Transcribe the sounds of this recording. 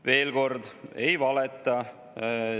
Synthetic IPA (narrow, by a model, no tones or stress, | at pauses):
ve̞ːlko̞rd̪ejvɑlɛt̪ːˑɑ